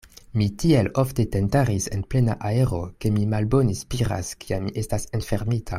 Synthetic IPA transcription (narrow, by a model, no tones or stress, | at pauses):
mitielo̞fte̞tentaɾise̞̰nple̞na̰ʔae̞ɾo̞̰ke̞mimalbo̞nespiɾa̰skʰiamiʔe̞stasenfeɾmitʰa